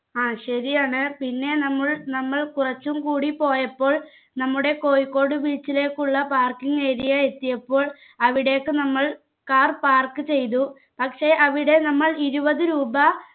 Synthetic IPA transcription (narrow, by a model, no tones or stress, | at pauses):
aːɕɐɾijaːɳɨpinːe̞nɐmːɐɭnɐmːɐɭkurɐt͡ɕːumkuːɽipo̞ːjɐpːo̞ːɭ | nɐmːuɽe̞ko̞ːjkːo̞ːɽɨʋiːt͡ɕːile̞ːkːuɭːɐpaːrkiŋeːɾijae̞t̪ːijɐpːo̞ːɭ | ɐʋiɽe̞ːkːɨnɐmːɐɭ | kaːrpaːrkɨt͡ɕe̞jt̪̬u | pɐkʂe̞ːʔɐʋiɽe̞nɐmːɐɭiɾubɐðɨɾuːbɐ